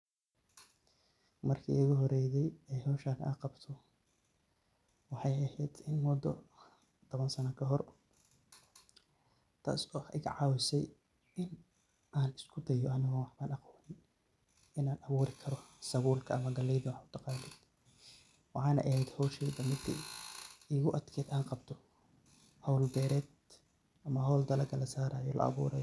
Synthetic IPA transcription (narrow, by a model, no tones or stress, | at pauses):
mɐrkʰḭʊɣʊɦɔɾɛːðɛjɛɦɔːʃaːnʔa̰ːqɑbt̪ʰɔ | wɑħɑjɐhɛjd̪ɪnmʊd̪ːɔ̰ | t̪ʰɔβɐnsɐnɐkʰɐɦɔr | t̪ʰa̰ːsɔːħkʕɑːwɪsɛj | ʔɪn | ʔaːnɪskʰʊd̪ɐjɔɐnɐɣɔːwɑħbaːnɐqɔːnɪn | ɪnaːnʔɐβuːɾɪkʰɐɾɔsɐβuːlkʰɐɐmɐɡɐlɛjðʊwħʊt̪ʰɐqɑːlɛd̪ | wɑħɑːnɐ̰ʔɐhɛjd̪hɔːʃɛːd̪ɐmɪd̪ʰḭʔiːɣʊʔɐd̪kʰɛːd̪aːnqɑbt̪ʰɔ | hɐwlbɛːɾɛːd̪ | ʔɐmɐɦɔwld̪ɐlɐɡʰɐlɐsaːɾaːjɔlɐ̰ʔɐ̰βṵːɾɐjɔ